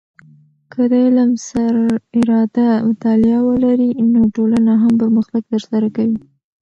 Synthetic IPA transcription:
kəd̪əlamsaɾɪɾɑd̪at̪ɑljɑwəlaɾinoʈolanaɦampəɾməxt̪aɡ̚t̪əɾsaɾakawi

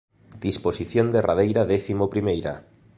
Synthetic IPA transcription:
d̪̥isposiθjõnd̪erað̞ejɾaðeθimopɾimejɾa̰

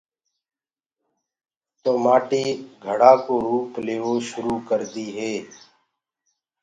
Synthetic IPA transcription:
t̪oːmaːʈiːɡʱəɽaːkoːɾuːpleːʋoːʃʊɾuːkəɾd̪iːɦeː

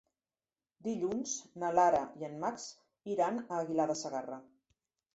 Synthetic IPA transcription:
d̪iʎunz̥nəlaɾəiənmaks | iɾanəːɣilaðəsəɣarə

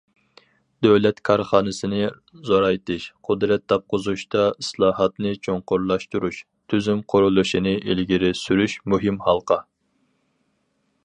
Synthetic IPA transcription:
d̪øwlɛt̪kʰɑɾχɑːnɨsɪnɪ | zoɾɑjt̪ʰɨʃqʰʊd̪ɾɛt̪̚d̪ɑp̚qʰʊzuʃt̪ɑɨslˠɑːhɑt̪nɨt͡ʃʰoŋqʊɾlˠɑʃt̪uɾuʃ | t̪ʰyzymqʰʊɾulˠuʃinɨʔelɡʲiɾɪsyɾyʃmuɦɪmhɑlˠqʰɑ

